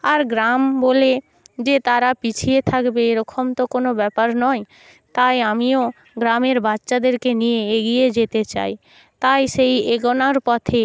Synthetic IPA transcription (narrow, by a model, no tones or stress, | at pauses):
aɾɡɾambole | d͡ʑet̪aɾapit͡ɕʰiet̪ʰakbeeɾɔkʰomt̪okonobɛpaɾnɔj | t̪ajamio | ɡɾameɾbatːʃad̪eɾkenijeeɡijed͡ʑet̪et͡ɕa̰j | t̪ajʃejeɡɔnaɾpɔt̪ʰe